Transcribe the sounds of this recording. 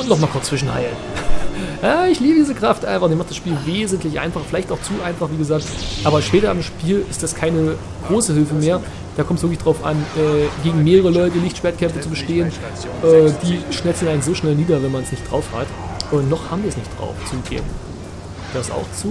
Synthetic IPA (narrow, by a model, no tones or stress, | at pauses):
ʊntnɔχmaːlkʊɐt͡sːv̥ɪʃn̩ha̰ɪln | jaːɪçliːbədiːzəkʁ̥aftʔa̰ɪnfaχd̥iːmaχtd̥asʃpiːlveːzn̩tlɪçʔa̰ɪnfaχfɪlaɪçtaʊxt͡suːʔaɪnfaχviːɡəzaːk̚tʔaːbɐʃpɛːtɐamʃpiːlɪstd̥askʰaɪnə | ɡ̥ʁoːsəhɪlfəmeːɐ | d̥aːkʰɔmtsv̥ɪɐklɪçd̥ʁaʊfʔa̰nʔɛːɡeːɡŋ̩meːʁəʁəlɔʏtəlɪçtʃv̥eɐtkʰɛmfət͡subəʃteːən | ʔɛːd̥iːʃnɛltsn̩aɪnz̥oːʃnɛlniːdɐvɛnmanɛsnɪçtd̥ʁaʊfha̰t | ʔʊntnɔχhaːbmviɐɛsnɪçtd̥ʁa̰ʊft͡suɡɡ̥ḛːbm̩ | v̥eːəsa̰ʊxt͡suː